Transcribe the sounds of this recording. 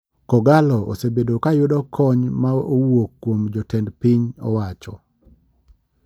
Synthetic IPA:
kɔɡalɔʔo̰sebedokajʊdɔkʰɔɲmaowokːwomd͡ʒɔtɛndpiɲɔ̰wat͡ʃɔ

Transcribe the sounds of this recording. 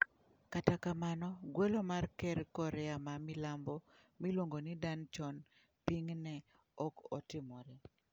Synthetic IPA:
katakamanɔɡwɛlomarkɛɾkɔɾɛamamilambɔ | milwoŋɡonidant͡ʃɔn | piŋnɛ | ɔkɔtɪmɔɾɛ

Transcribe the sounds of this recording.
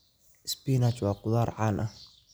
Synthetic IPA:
ɪspiːnat͡ʃwaːqʊðaːɾˤʕaːlʔɐh

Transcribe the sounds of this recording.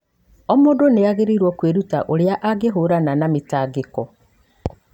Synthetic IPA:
ɔmoːndoneaɣeɾiɾwɔkweɾuta̰ʔoɾjaʔaɡeɦoɾananametaːɡekɔ

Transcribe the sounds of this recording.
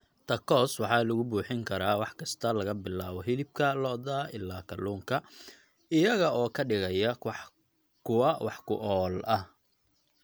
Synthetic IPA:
t̪ʰɐkʰɔswɑħɑːlʊɣʊbuːħɪŋkʰɐɾaːwɑħkʰɐst̪ʰɐlɐɣɐbɪlaːβɔɦɪlɪb̚kʰɐlɔːðaːʔɪ̰lːaːkʰɐlːuːŋkʰɐ | ɪjɐɣɐɔːkʰɐɖɪɣɐjɐ | kʰʊwɐwʔɑħkʰʊ̰ʔɔːlʔɐh

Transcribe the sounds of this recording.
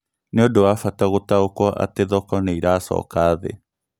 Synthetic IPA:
neodowafataɣotaokɔʔa̰teðɔkɔneiɾaːsɔ̰ːkaːðḛ

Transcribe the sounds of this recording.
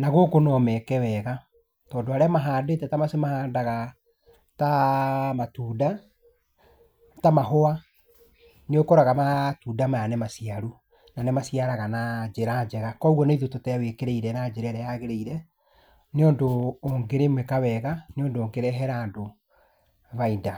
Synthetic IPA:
naɣokonɔmɛkɛwɛɣa | tɔːndoaɾɛamaɦaːdetɛtamasemahaːndaɣa | tamatuːda | tamaɦowa | neokɔɾaɣamatuːdamajanɛmasijaɾu | nanɛmasiaɾaɣanad͡ʒeɾad͡ʑɛɣakɔuɣɔneiðototɛwekeɾeiɾɛnad͡ʒeɾɛɾɛjaɣeɾeiɾɛ | neɔndoːŋɡeɾemwekawɛɣaneɔndooːŋɡeɾɛɦɛɾaːndo | vaida

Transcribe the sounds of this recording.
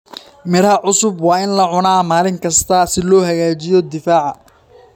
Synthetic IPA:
mɪɾɐʕʊsʊbwɑːɪnlɐʕʊnaːmaːlɪŋkʰɐst̪ʰɐsɪlɔːhɐɣaːt͡ʃɪjɔd̪ɪfaːʕɑ

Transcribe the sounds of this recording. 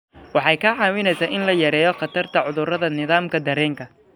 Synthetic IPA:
wɑħɑjkʰɐʕɑːwɪnɛjsaːʔɪnlɐjɐɾɛːjɔχɑt̪ʰɐrt̪ʰɐʕʊðʊrɐðɐnɪðaːmkʰɐd̪ɐɾɛːŋkʰɐ

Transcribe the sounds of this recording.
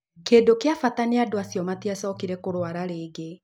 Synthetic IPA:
keːdokeafataneadoasjɔmatiasɔkiɾɛkoɾwaɾaɾeːɡe

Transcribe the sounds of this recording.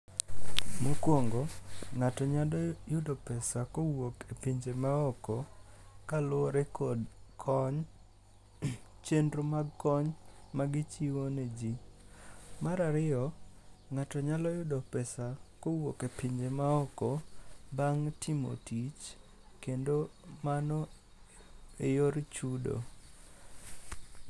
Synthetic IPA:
mokwoŋɡɔŋatɔɲadɔjʊdopɛsakowokepiɲd͡ʒemaɔkɔ | kalʊoɾekʰodkʰɔɲ | t͡ʃendromaɡkɔɲmaɡɪt͡ʃiwoned͡ʒi | maɾaɾɪɔŋatɔɲalɔjʊdɔpɛsakowokepiɲd͡ʒemaɔkɔbaŋtimo̰tit͡ʃ | kendomanɔ | ejoɾt͡ʃudo̰

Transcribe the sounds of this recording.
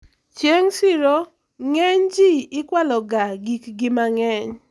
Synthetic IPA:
t͡ʃjeŋsɪɾo | ŋɛɲd͡ʒiɪkwalɔɡaɡikɡɪmaŋɛɲ

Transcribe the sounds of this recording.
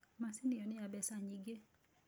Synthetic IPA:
masɪnɪjɔnɪabɛsaɲiɡe

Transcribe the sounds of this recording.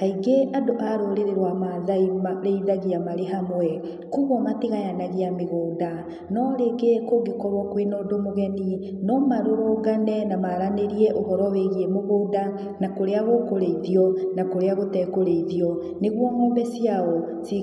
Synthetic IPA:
haiɡeʔadoʔaɾoɾeɾeɾwamaðaimaɾeiðaɣiamaɾeɦamwɛ | kuβɔmatiɣajanaɣeameɣoːda | nɔɾeɡekoɡekɔβɔkwenodomoɣɛni | nɔmaɾoɾoɡanɛnamaɾaneɾiɛʔoɦɔɾɔweɣiemoɣoda | nakoɾeaɣokoɾeiðiɔnakoɾeaɣotɛkoɾeiðjɔ | neɣwɔŋɔmbɛsiaɔ | si

